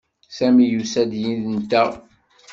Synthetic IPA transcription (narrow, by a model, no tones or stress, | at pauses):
sæmijusæd̪jinðnt̪ːæ